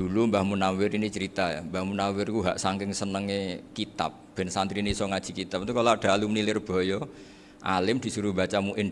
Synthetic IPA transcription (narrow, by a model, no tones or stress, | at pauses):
d̥ṳlumbahmunawɪɾinit͡ʃəɾit̪aja̰mbahmunawɪrkuɦaʔsaŋkɪŋsənəŋekit̪a̰p̚b̥ɛ̤nsant̪ɾinisɔŋad̥ʒ̥i̤kit̪ap̚nt̪ukalɔaɖ̥a̤lumnilɪrb̥ɔ̤jɔ | ʔa̰lɪmd̪̥i̤suɾuba̤t͡ʃamuʔɪn